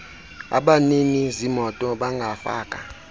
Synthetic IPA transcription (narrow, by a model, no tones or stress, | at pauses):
a̰ɓaninizimɔtʼɔɓaŋɡʱafa̰ːkʼa